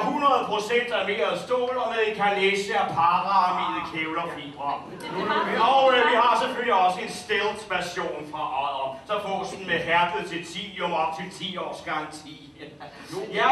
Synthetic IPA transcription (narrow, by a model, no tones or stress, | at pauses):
hunʁɐð̩ˠpʰʁo̝sen̰d̥æme̝̰ːɐsd̥ɔ̰ːlɒmeðˠikʰæleːsəæpʰɑ̈ːʁɑɑmḭːð̩ˠkʰeʊlɐfḭːb̥ʁɐ | ɒʊʋihɑ̈seføl̰liɒ̽səe̝nsd̥eld̥ʋæɕo̝̰ːnfʁɑ̈ʔɒɪðˠʁɐsɒ̽fɔ̰ːsn̩meɦæɐd̥əð̩ˠt͡sʰe̝lt͡sʰḭːjoɒb̥̚t͡sʰet͡sʰḭːɒ̰ːsɡ̥ɑ̈ŋ̰t͡sʰḭː | æ